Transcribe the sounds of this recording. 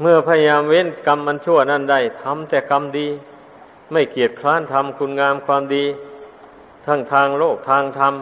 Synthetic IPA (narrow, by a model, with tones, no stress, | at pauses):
mɯ˥˩ɐpʰa˧ja˧jaː˧mwe˧˥˨nka˧mʔa˧nt͡ɕʰu˥˩ɐna˥˩nda˧˥˩jt̪ʰa˧˥mt̪ɛː˨˩ka˧mdiː˧ | ma˥˩jki˨˩ət̪̚kʰlaː˧˥˨nt̪ʰa˧mkʰu˧nŋaː˧mkʰwaː˧mdiː˧ | t̪ʰa˦˧˥ŋt̪ʰaː˧ŋloː˥˩k̚t̪ʰaː˧ŋt̪ʰa˧m